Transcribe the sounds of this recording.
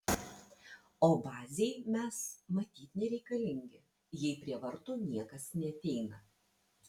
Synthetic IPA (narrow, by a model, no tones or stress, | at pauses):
oːbɑːzʲeɪmʲɛsmɐt̪ʲiːt̪ʲnʲɛɾʲɛɪkɐlʲɪŋʲɡʲɪ | jɛɪpʲɾʲiɛʋɐɾt̪ʊnʲiɛkɐsnʲɛɐt̪ʲɛɪnɐ